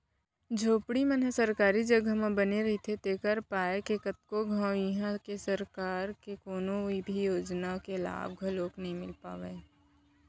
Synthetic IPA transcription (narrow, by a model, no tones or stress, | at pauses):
d͡ʒʱoːpɽimənɦəsəɾkaːɾid͡ʒɐɡʱəmẽbɐneɾɐɦit̪ʰet̪eːkəɾpaːekekət̪̚koɡʱãʊjiɦãkesɐɾkaːɾkekoːnõibʱijoːd͡ʒnakela̰ːbɡʱɐloːknɐɦĩmɪlpa̰ːʋeː